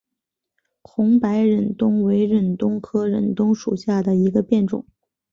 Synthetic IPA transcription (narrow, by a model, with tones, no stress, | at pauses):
kʰʊ˧˥ŋpa˧˥ɪɻə˨˩nt̪ʊ˥ŋwe˧˥ɪɻə˨˩nt̪ʊ˥ŋkʰɤ˥ɻə̰˨˩nt̪ʊ˥ŋʂu˨˩ɕja˥˩d̪ə˩i˧˥ɡə˧pjɛ˥˩nʈ͡ʂʊ̰˨˩˦ŋ